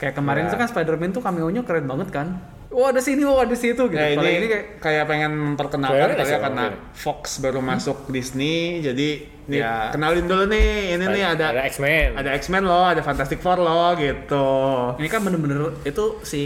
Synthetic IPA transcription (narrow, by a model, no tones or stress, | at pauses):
kajaʔkəmaɾɪnit̪ukanspajdərmɛnt̪ukamiuɲʊkɾɛt̪̚baŋət̪̚kan | wɔadasiniwawadasit̪uɡitj̪ainiinikakajapeŋɛnməmpərkənalanaliakana | fɔksbaɾumasʊk̚disnid͡ʒadi | nikənalindulənɪininɪhadaaksɛnadaɛksmɛnlɔhadafant̪ast̪ɪk̚fɔrlɔɡit̪uinikanbənərbənərit̪usɪ